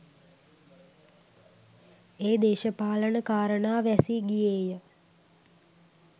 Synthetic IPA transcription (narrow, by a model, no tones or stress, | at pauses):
eːd̪eːʃəpaːlənəkaːɾənaːʋæsiɡijeːjə